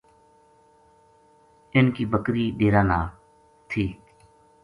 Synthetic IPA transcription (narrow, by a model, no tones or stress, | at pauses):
ɪnkiːbəkɾiːɗeːɾaːnaː | t̪ʰiː